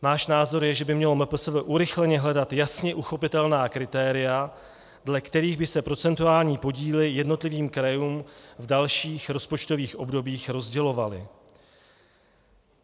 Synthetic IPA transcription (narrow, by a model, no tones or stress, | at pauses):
naːʃnaːzo̞ɾjɛʒɛbɪmɲɛlo̞mɛpl̩svɛʔuɾɪxlɛɲɛɦlɛdat̪jasɲɛʔuxo̞pɪt̪ɛlnaːkɾɪt̪ɛːɾɪja | dlɛkt̪ɛɾiːɣbɪsɛpɾo̞t͡sɛnt̪uaːlɲiːpo̞ɟiːlɪjɛdno̞t̪lɪviːmkɾajuːmvdalʃiːxɾo̞spot͡ʃt̪o̞viːxʔo̞bdo̞biːxɾo̞zɟɛlo̞valɪ̰